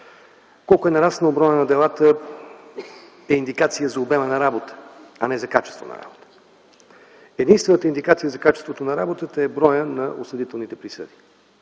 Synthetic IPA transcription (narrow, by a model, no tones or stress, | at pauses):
kɔlˠkʊɛnɐɾasnəobɾɔjənɐd̪ɛlˠat̪ə | ɛind̪ikat̪sijəzɐobɛmənɐɾabot̪ə̥ɐnɛzɐkat͡ʃɛ̥st̪vo̰nɐ̰ɾa̰bot̪ə̥ | ɛd̪inst̪vɛnət̪əind̪ikat̪sijəzɐkat͡ʃɛst̪vot̪onɐɾabot̪ət̪əɛbɾɔjənɐʔosəd̪it̪ɛlˠnit̪ɛpɾisə̰d̪i̥